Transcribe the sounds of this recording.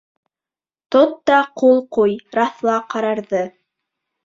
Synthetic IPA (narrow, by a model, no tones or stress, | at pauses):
t̪ot̪ːɑqulˠqujɾɑθlˠɑqɑɾɑɾðɤ